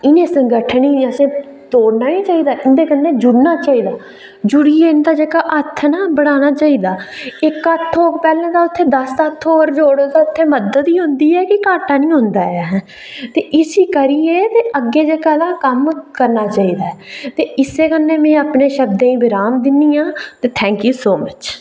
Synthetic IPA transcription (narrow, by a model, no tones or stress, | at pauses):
ɪnẽːsəŋɡəʈʰniːəsẽː | t̪oːɽnaːnĩːt͡ʃaːiːd̪aːʔɪnd̪eːkənːeːd͡ʒʊɽnaːt͡ʃaːiːd̪aː | d͡ʒʊɽiːeːɪnd̪aːd͡ʒeːkaːʔət̪ʰːnabəɽaːnaːt͡ʃaːiːd̪aːɪkət̪ʰːoːkpɛːlãːd̪aːʊt̪ʰːeːd̪əst̪ət̪ʰːoːɾd͡ʒoːɽoːd̪aːʊt̪ʰːeːməd̪ət̪iːɦʊ̃nd̪iːɛːkɪkaːʈaːnĩːɦʊ̃nd̪aːɛɦɛ | t̪eːʔɪsiːkəɾiːeːt̪eːʔəɡːeːd͡ʒeːkaːd̪aːkəmkəɾnaːt͡ʃaːiːd̪aːɛt̪eːɪseːkənːẽːmɛ̃ːaːpneːʃəbd̪ẽːĩːbɪɾaːmd̪ɪnːiːãːt̪eːt̪ʰɛ̃ːŋkjuːsoːmət͡ʃ